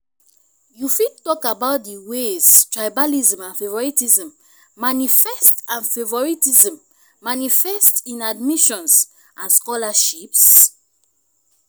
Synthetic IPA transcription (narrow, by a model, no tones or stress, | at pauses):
jufid̚tɔkabaʊt̚diweztɹajbaliz̃mãnfevɔɹitizɛ̃mː | anifɛstãnfevɔɹitizɛ̃mː | anifɛstĩnadmiʃɔ̃ns | ʔãnskɔlaʃips